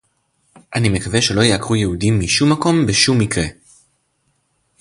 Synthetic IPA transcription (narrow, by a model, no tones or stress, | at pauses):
ʔanime̞kave̞ʃe̞lo̞jeakʁujeudimːiʃumːako̞mbeʃumːikʁe̞